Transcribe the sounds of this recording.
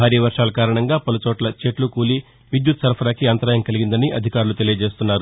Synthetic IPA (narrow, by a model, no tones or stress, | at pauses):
bʱaːɾiːɐʋɐɾʂaːlɐkaːɾɐɳɐŋɡaːpɐlut͡ʃoːʈlɐt͡ʃeːʈlukuːli | ʋid̪jut̪sɐɾpʰɐɾaːkiant̪ɐɾaːjɐŋkɐliɡind̪ɐniʔɐd̪ʱikaːɾulut̪e̞lijɐd͡ʒe̞ːst̪unːaːɾu